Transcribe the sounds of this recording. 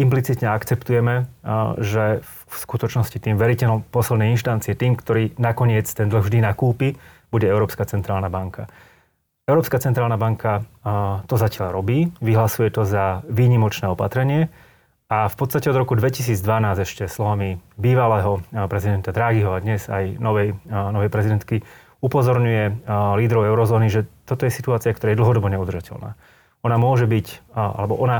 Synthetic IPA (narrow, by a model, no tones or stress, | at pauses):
implit͡sit̪ɲɛakt͡sɛpt̪ujɛmɛʒɛ | fskut̪ɔt͡ʃnɔscit̪iːmʋɛɾicɛɔpɔslɛd̪nɛjinʃt̪ant̪t͡siɪɛt̪iːmkt̪ɔɾiːnakɔɲɪɛt͡st̪ɛnd̪l̩ɣvʒd̪inakuːpi | b̥uɟɛɛʊɾɔːpskat͡sɛnt̪ɾaːlnabaŋka | ɛʊɾɔːpskat͡sɛnt̪ɾaːlˠnabaŋkʰa | t̪ɔzacɪaʎɾɔbiːʋiɦlasujɛt̪ɔzaʋiːɲimɔt͡ʃnɛːɔpat̪ɾɛɲɪɛ | afpɔt̪st̪acɛɔd̪ɾɔkud̪ʋɛcis̬iːd͡zd̪ʋanaːzɛʃcɛslɔʋamibiːʋalɛːɦɔpɾɛzid̪ɛnt̪ad̪ɾaːɡiɦɔad̪ɲɛza̰jnɔʋɛjnɔʋɛjpɾɛzid̪ɛnt̪̚ki | upɔzɔɾɲujɛliːd̪ɾɔʊɛʊɾɔzɔːniʒɛt̪ɔt̪ɔjɛsit̪uaːt͡siɪakt̪ɔɾaːjɛd̪l̩ɦɔd̪ɔbɔɲɛud̪rʒacɛ̰lna̰ː | ɔnamʊɔʒɛbica̰lɛbɔʔɔna